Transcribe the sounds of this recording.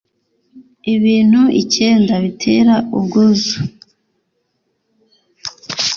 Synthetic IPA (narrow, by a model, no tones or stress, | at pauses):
iβiːn̥huḭceːndaβitʰeːɾaubɡuzu